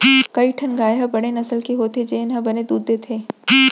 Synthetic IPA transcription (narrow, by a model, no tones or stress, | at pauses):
kɐiʈʰɐnɡaːjɦɐbɐɽ̃enɐsəlkiɦoːt̪ed͡ʒeːɪnɦɐbɐned̪uːd̪et̪ʰeː